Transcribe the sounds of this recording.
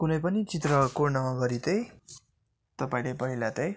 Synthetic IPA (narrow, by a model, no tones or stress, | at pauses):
kunʌjpʌnit͡sit̪rʌkonʌɡʌɾit̪ʌj | t̪ʌpaĩlepʌɦilat̪ʌj